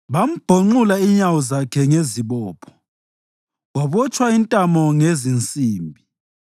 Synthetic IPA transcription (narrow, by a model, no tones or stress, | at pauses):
βam̩b̥ʱoŋ͡ǃulaiɲawɔzakʰɛŋeziβɔːpʰɔ̥ | ɣwaβɔt͡ʃʼwaintʼamɔŋezint͡sʼiːmbʱi